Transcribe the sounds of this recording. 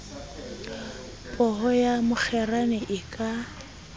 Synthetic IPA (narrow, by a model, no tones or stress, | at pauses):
pʼɔhɔjamʊk͡xʰɛranɛʔɪkʼa